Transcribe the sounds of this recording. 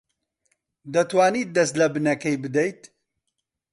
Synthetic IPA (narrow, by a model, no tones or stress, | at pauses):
d̪ɐt̪waːniːt̪̚d̪ɐst̪lɐbɨnɐkɐjbɨd̪ɐjt̪